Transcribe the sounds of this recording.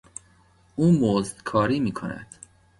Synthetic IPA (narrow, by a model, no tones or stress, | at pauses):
ʔuːmozd̪kʰɒːɾiːmiːkʰo̰næ̰d̪̥